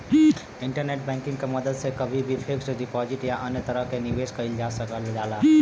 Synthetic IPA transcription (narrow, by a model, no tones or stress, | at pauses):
ɪ̃ɳʈəɾneːʈ̚bɛ̃ːŋkɪ̃ŋɡkeməd̪əd̪sekəbʱibʱipʰɪksɖɪpɔːd͡ʒɪʈjaʔənjət̪əɾəɦkeniʋeːskəɪld͡ʒaːsəkəld͡ʒaːlaː